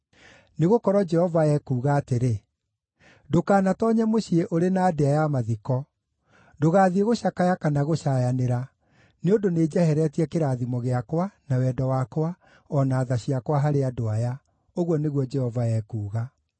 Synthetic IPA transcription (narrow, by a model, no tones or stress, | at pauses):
neɣokɔɾɔd͡ʒɛhɔvaɛkuːɣaːteɾe | dokaːnatɔɲɛmoɕieʔoɾenaːdeajamaðikɔ | doɣaːðieɣoɕakajakanaɣoɕajaneɾa | neondoneːd͡ʑɛhɛɾɛtiɛkeɾaðimɔɣeakwanawɛːdɔwakwa | ɔnaːðaɕiakwaɦaɾeadoaja | oɣwɔneɣwɔd͡ʒɛhɔvaɛkuːɣa